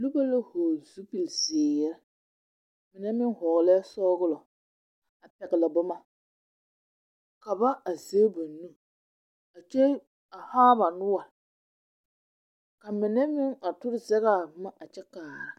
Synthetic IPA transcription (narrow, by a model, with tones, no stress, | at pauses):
lu˦ba˦la˦hoː˨zu˦pi˨lzi˨e˨jɛ˦ɾ | mɪ˨nɛ˦mɪ˦ŋhɔː˨lɛ˦sɔː˦ɣʊ˦lɔ˨ | a˨pɛ˨ɡɪ˨la˨bʊ˦ma˦ | ka˨ba˦a˨ze˦ba˨nːu˦ | a˨t͡ʃe˦ | a˨haː˦ba˨nʊ˦wa˨ | ka˨mɪ˨nɛ˦mɪ˦ŋa˨tʊ˦ɾɪ˦˨zɛ˦ɣa˨ma˦ʔa˨t͡ʃɛ˦kaː˨ɾa˨